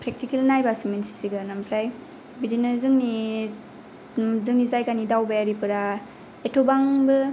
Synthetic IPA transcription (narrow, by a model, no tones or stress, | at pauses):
pʰɾek̚tikelnajbasimensi̥siɡɯnampʰɾaj | bidinɯzɯŋni | zɯŋnizajkanidawbajaɾipɯɾa | etʰobaŋbɯ